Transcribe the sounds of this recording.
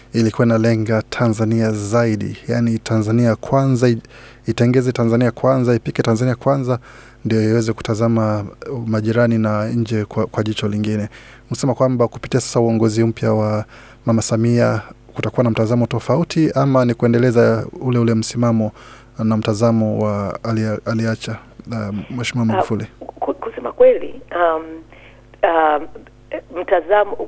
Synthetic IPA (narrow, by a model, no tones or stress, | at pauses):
ilikuwainalɛŋɡatʰanzaniazaiɗḭjanitʰanzaniakʰwanzai | itɛŋɡɛzɛtanzaniakwanzaipikɛtanzaniakwanza | ndijɔiwɛzɛku̥tazamamaʄiɾaninaɲ̩d͡ʒɛkkwaʄit͡ʃɔliŋɡinɛ | husɛmakwambaku̥pi̥tiasḁsauɔŋɡɔzim̩pjawa | mamasamia | kutakuwanam̩tazamɔtɔfautʰiamanikuɛndɛlɛzaulɛulɛm̩simamɔ | nam̩tazamɔwaːlialiat͡ʃa | mwɛʃmiamafulikkusɛma̰kwɛlḭam | a | m̩tazamɔ